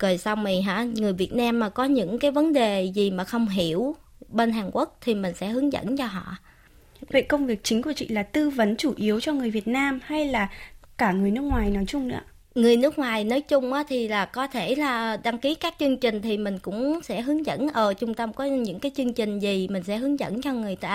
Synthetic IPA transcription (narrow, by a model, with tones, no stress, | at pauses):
kəː˨˩jsa˧wŋ͡mmi˨˩ɦa̰ː˧˥ŋɨ˨˩əjvi˨˩ət̚naː˧mːaː˨˩kɔ˨˦ɲɨ̰˧˥ŋkaː˨˦jvə˨˦nɗe˨˩zi˨˩maː˨˩xə˧wŋ͡mɦi˧˩əw | ɓe˧nɦaː˨˩ŋkwu˦˥ək̚t̪ʰi˨˩mï˨˩ŋ̟sɛ̰˧˥ɦɨ˨˦əŋzə̰˧˥nt͡ɕɔ˧ɦɔ̰˧˨ | və̰˧˨jkə˧wŋ͡mvi˨˩ək̚t͡ɕï˨˦ŋ̟ku˧˩ət͡ɕḭ˧˨laː˨˩t̪ɨ˧və˨˦nt͡ɕu˧˩ʔi˨˦əwt͡ɕɔ˧ŋɨ˨˩əjvi˨˩ət̚naː˧mha˧jlaː˨˩kaː˧˩ŋɨ˨˩əjnɨ˦˥ək̚ŋwaː˨˩jnɔ˨˦jt͡ɕʊ˧ŋ͡mnɨ̰˧˥ə | ŋɨ˨˩əjnɨ˦˥ək̚ŋwaː˨˩jnɔ˨˦jt͡ɕʊ˧ŋ͡mʔaː˨˦t̪ʰi˨˩laː˨˩kɔ˨˦t̪ʰe˧˩laː˨˩ɗa˧ŋki˨˦kaː˦˥k̚t͡ɕɨ˧əŋt͡ɕï˨˩ŋ̟t̪ʰi˨˩mï˨˩ŋ̟kʊ̰˧˥ŋ͡msɛ̰˧˥ɦɨ˨˦əŋzə̰˧˥nʔəː˧˩t͡ɕʊ˧ŋ͡mt̪ə˧mkɔ˨˦ɲɨ̰˧˥ŋkaː˨˦jt͡ɕɨ˧əŋt͡ɕï˨˩ŋ̟zi˨˩mï˨˩ŋ̟sɛ̰˧˥ɦɨ˨˦əŋzə̰˧˥nt͡ɕɔ˧ŋɨ˨˩əjt̪a̰ː˧˥